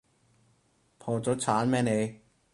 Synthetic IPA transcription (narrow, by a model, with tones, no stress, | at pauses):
pʰɔː˧t͡ɕo˦˥t̚t͡ɕʰaː˨˦˥nmɛː˥˧ne˧˩